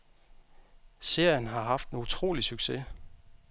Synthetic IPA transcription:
se̝ɐjənɦɑ̈ɦɑ̈fd̥nut͡sʰʁo̝̰ːlisyɡ̥se

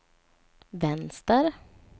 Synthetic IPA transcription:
vɛnst̪əɾ

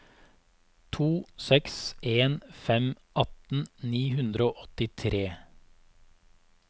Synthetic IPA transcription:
t̪ʰuːsɛksʔeːnfɛm | ʔɑt̪n̩niːhʉnd̪ɾəoːʔɔt̪ɪt̪ʰɾeː

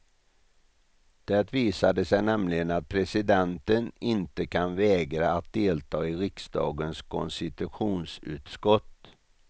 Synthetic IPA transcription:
d̪̥æt̪viːsad̪əsɛjnɛmlɪɡənat̪̚pʰɾɛsɪd̪ɛnt̪ənɪnt̪əkʰanvɛːɡɾaːt̪̚d̪eːlt̪ʰɑːɪɾɪksd̪ɑ̰ːɡənskʰɔ̰nst̪ɪt̪ɵɧuːnsʉ̟̰ːt̪skɔt̪ː

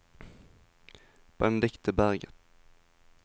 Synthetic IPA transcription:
b̥ɛnd̪ɪkt̪ʰəbæʁɡət̪

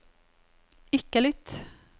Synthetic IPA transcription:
ɪkːəlʏt̪

